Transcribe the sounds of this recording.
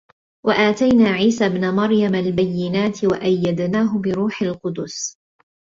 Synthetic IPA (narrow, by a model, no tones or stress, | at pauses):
waʔaːt̪ajnaːʕiːsabnamɑɾˤjamalbajːɪnaːt̪ɪwaʔajːad̪naːɦʊbɪɾuːħalqʊd̪ʊs